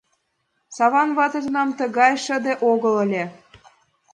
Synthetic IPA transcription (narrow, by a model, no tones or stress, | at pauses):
sɑβɑnβɑt̪ɤ̆zɤ̆nɑmt̪ɤ̆ɣɑjʃə̆d̪ĕʔoɣɤ̆lə̆lʲĕ